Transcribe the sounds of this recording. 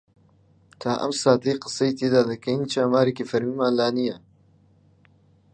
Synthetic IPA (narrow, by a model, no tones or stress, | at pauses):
t̪ʰaːʔɐ̰msaːt̪ʰɐjqɨ̥sɐjt̪eːd̪aːd̪ɐkɐjnt͡ʃaːmaːɾekifɐɾmiːmaːnlaːnijɐ